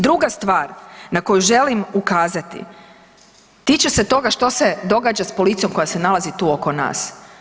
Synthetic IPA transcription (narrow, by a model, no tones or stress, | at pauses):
d̪ɾuɡast̪ʋaːɾnako̞juʒe̞limukaːzat̪ḭ | t̪iːt͡ʃeset̪o̞ɡaʃt̪o̞se̞d̪o̞ɡaːd͡ʑaspo̞lit̪sijo̞mko̞jasenalazit̪uːo̞ko̞na̰ːs